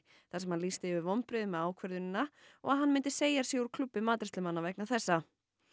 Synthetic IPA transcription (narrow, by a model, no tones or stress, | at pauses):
θasɛmhanlist̪ɪɪvɪɾvɔmpɾɪðʏmɛaːwkʰvœɾðʏnɪnːaɔɣaðɦanːmɪnt̪ɪ̥seːjḁsjɛuɾ̥kʰlʏpːɪmaːt̪ɾɛst̪lʏmanːavɛhknaθɛsːa